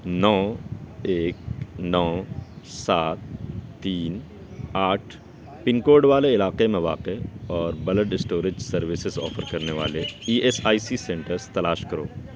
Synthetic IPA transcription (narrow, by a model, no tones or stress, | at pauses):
nɔː | eːknɔː | saːt̪ːiːn | aːʈʰ | pɪnkoːɾɖʋaːleɪlaːqemẽʋa̰ːqeɔːɾbɐləʈɪsʈoːɾɪd͡ʒsɐɾʋɪsɪzɔ̰ːfəɾkɐɾneʋa̰ːleiːʔesaːisisɛ̃ɳʈəɾst̪ɐlaːʃkɐɾo̰ː